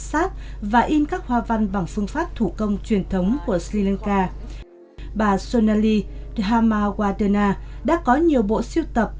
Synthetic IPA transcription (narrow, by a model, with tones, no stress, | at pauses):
saː˦˥t̚vaː˨˩ʔi˧nkaː˦˥k̚hwaː˧˩va˧ŋɓa˨˩ŋfɨ˧əŋfaː˦˥p̚t̪ʰu˧˩kə˧wŋ͡mt͡ɕwi˨˩ənt̪ʰə˨˦wŋ͡mku˧˩əsli˧la˧nkaː˧ | ɓaː˨˩so˧naː˧li˧ | ɦaː˧maː˧ɣwaː˧təː˧naː˧ɗa̰ː˧˥kɔ˨˦ɲi˨˩əwɓo̰˧˨si˧əwt̪ə˨˩p̚